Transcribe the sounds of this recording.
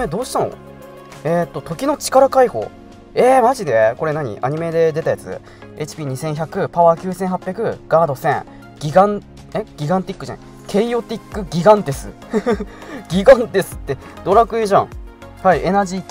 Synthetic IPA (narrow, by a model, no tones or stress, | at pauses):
ed̪o̞ːɕi̥t̪ano̞̰ | et̪ːot̪o̞kʲino̞t͡ɕi̥kaɾakaiho̞̰ː | emaʑid̪e̞ko̞ɾe̞naɲ̟ḭʔa̰ɲ̟ime̞d̪e̞d̪e̞t̪ajat͡sɨ̰ | e̞̰t͡ɕi̥pʲiːɲ̟isẽ̞ɰ̃çakɯ̟paβakʲɨːsẽɰ̃ɦapʲjakɯ̟ɡ̥aːd̪o̞sẽ̞ŋ | ɡ̥ʲiɡãn | eɡ̥ʲiɡãnt̪ʲikːɯ̟zḛ̃ | kʰe̞ijo̞t̪ʲikːɯ̟ɡʲiɡãnt̪e̞sɨ̰ | ɡ̥ʲiɡãnt̪e̞sɨ̥t̪ːe | d̪̥o̞ɾakɯ̟eʑã̰ | haiʔe̞naʑi